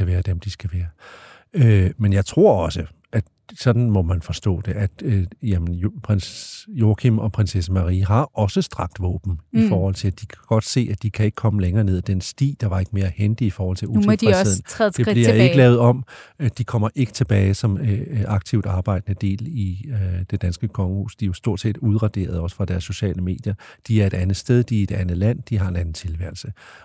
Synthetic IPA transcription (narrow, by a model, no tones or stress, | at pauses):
æʋæːɐd̥emd̥isɡ̥æʋæːɐ | ømenjɑ̈ɪt͡sʰʁo̝ɐ̰ɒ̽sə | ʔæd̥ | sɒ̽d̥n̩mɒ̽mænfɒ̽sd̥ɔ̰ːd̥e̝ʔæd̥jæmənpʰʁenjokʰimɒ̽pʰʁensesəmɑ̈ʁiɦɑ̈ɒ̽səsd̥ʁɑ̈ɡ̥̚d̥ʋɔ̰ːb̥n̩ifɒːhɒ̽l̰t͡sʰe̝æd̥ikʰæɡ̥ɒ̽d̥se̝̰ːæd̥ikʰæe̝ɡ̥kʰɒ̽məleŋɐːne̝ð̞̰ˠd̥ensd̥ḭːd̥ɑ̈ʋɑ̈e̝ɡ̥əme̝ːɐhend̥iifɒːhɒ̽l̰t͡sʰe̝ut͡sʰeð̰ˠn̩ʰˠde̝b̥liɐeɡ̥əlɛːʊðˠɒ̽md̥ikʰɒ̽m̰ɐʔe̝ɡ̥ə̥t͡sʰe̝b̥ɛːɪsɒ̽mɑ̈ɡ̥̚t͡sʰiʊ̰d̥ɑ̈ːb̥ɑ̈ɪ̰d̥nəd̥e̝̰ːlid̥e̝d̥ænsɡ̥əkʰɒ̽ŋəhṵːsd̥ijosd̥o̝̰ɐ̰d̥se̝̰ːd̥uð̞ˠʁɑ̈d̥e̝̰ːɐð̞ˠɒ̽sə̥fʁɑ̈d̥æɐsːo̝ɕɛ̰ːləme̝̰ːd̥jɐd̥iæɐe̝ɾ̥ænð̩ˠsd̥eð̞ˠd̥ie̝d̥ænð̩ˠlæn̰d̥iɦɑ̈e̝næn̩t͡sʰe̝lʋæɐl̩sə